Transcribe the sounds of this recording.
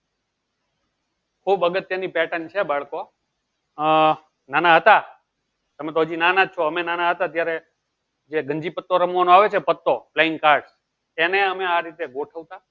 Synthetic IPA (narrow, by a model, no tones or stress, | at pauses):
kʰubəɡət̪ːenipɛʈənt͡ʃʰebaɭko | nanaɦət̪a | t̪əmet̪oːəd͡ʒinanat͡ʃʰoəmenanaɦət̪at̪jaɾe | d͡ʒeɡʱəɲd͡ʒipət̪ːoɾəmʋanoaʋet͡ʃʰepət̪ːoplaɪŋɡ̚kaɾɖs | eneəmeaɾit̪eɡoʈʰəʋt̪a